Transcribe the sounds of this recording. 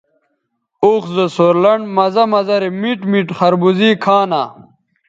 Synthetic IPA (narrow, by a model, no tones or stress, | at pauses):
oːxzəsoɾlɐɳɖmɐzɐmɐzɐɾimiʈmiʈχɐɾbuziːkʰaːna